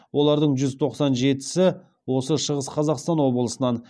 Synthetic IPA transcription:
wʔo̞lˠɑɾd̪əɴʒʏzt̪ʰo̞qsɑnʒe̞t̪ɪ̥sɪ | wo̞səʃəʁəsqʰɑzɑqst̪ɑnwo̞bəlˠəsənɑn

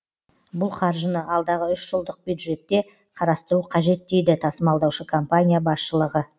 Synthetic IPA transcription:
bʊlˠχɑɾʒənəʔɑlˠd̪ɑʁəʏʃʒəlˠd̪əq̚bjud̪ʒe̞t̪ːe̞ | qʰɑɾɑst̪əɾuqʰɑʒe̞t̪ːe̞jd̪ɪt̪ʰɑsəmɑlˠd̪ɑwʃəkʰompanʲijabɑsʃəlˠəʁə

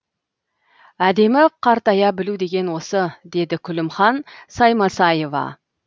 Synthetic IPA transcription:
æd̪e̞mɪqʰɑɾt̪ɑjɑbɪlud̪e̞ɡʲe̞nwo̞səd̪e̞d̪ɪkʲʰʏlɪmχɑnsɑjmɑsɑje̞vɑ̰

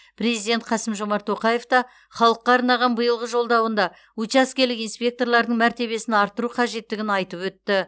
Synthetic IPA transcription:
pʰɾe̞zijd̪ʲe̞nt̪̚qʰɑsəmʒo̞mɑɾt̪ʰːo̞qɑje̞ft̪ɑ | χɑlˠəqːɑːɾnɑʁɑnbəjəlˠʁəʒo̞lˠd̪ɑwənd̪ɑ | ut͡ʃaskʲelɪkijnspʲe̞k̚t̪o̞ɾlˠɑɾd̪əɴmæɾt̪e̞βe̞sɪnɑɾt̪ːəɾuqʰɑʒe̞t̪ːɪɡʲɪnɑjt̪əpwɵt̪ːɪ

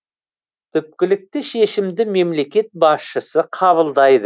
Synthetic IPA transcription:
t̪ʰʏp̚kʲɪlɪk̚t̪ɪʃe̞ʃɪmd̪ɪme̞mle̞kʲe̞t̪̚bɑsʃəsəqʰɑβəlˠd̪ɑjd̪ə

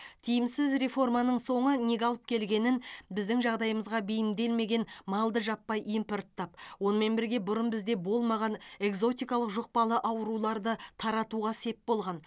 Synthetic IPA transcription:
t̪ʰijɪmsɪzɾe̞fo̞rmɑnəɴso̞ɴəne̞ɡʲɑlˠəp̚kʲʰe̞lɡʲe̞nɪnbɪzd̪ɪŋʒɑʁd̪ɑjəməzʁɑbejɪmd̪e̞lme̞ɡʲe̞nmɑlˠd̪əʒɑpːɑjʔimpoɾt̪ʰːɑp̚wo̞nəme̞nbɪɾɡʲe̞bʊɾənbɪzd̪e̞bo̞lˠmɑʁɑne̞ɡzo̞t̪̬ʲijkɑlˠəqʒo̞q̚pɑlˠəʔɑwəɾulˠɑɾd̪ət̪ʰɑɾɑt̪uʁɑse̞pbo̞lˠʁɑn

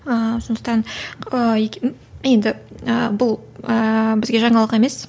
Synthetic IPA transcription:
əsond̪ə̥qt̪ɑnəekʲ | jend̪ɪəbʊlˠəbɪzɡʲe̞ʒɑɴɑlˠəqe̞me̞s

